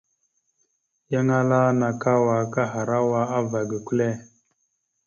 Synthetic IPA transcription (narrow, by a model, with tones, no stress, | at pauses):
ja˦ŋa˦la˦na˨ka˦wa˨ka˦ɦa˨ɾa˦wa˦a˦va˨ɡə˨kʷu˦le˦